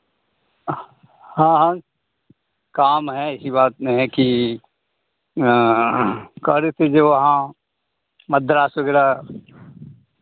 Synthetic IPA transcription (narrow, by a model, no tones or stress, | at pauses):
hãːɦã | kaːmɦɛɪsibaːt̪mẽɦɛ̃ki | kɐɾet̪ʰed͡ʒeʋɐɦã | mɐd̪ɾaːsɐɡɛːɾa